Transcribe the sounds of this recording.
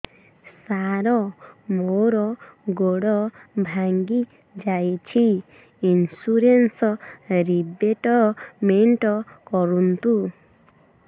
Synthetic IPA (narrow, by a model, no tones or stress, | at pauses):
saɾɔmoɾɔɡoɽɔbʱaŋɡi | d͡ʒajt͡ʃʰi | insuɾensɔɾibeʈɔmeɳʈɔkɔɾunt̪u